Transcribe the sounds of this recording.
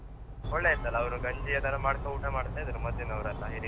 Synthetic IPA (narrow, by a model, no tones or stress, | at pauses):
ɔɭːeɐt̪ɐlːɐːʋɐnuɡɐɲd͡ʒijɐd̪ɐɾɐmaːɽkɐuːʈɐmaːɽt̪ːeɐd̪ɐɾumɐd̪ːinɐʋɐɾɐlːɐɦiɾi